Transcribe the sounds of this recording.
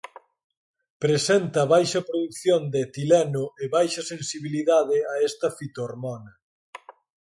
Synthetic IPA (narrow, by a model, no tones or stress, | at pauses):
pɾesɛnt̪ɐβajʃɐpɾoðukθjond̪et̪ilɛnʊeβajʃɐsensiβiliðaðɪaɛst̪ɐfit̪oɾmɔnɐ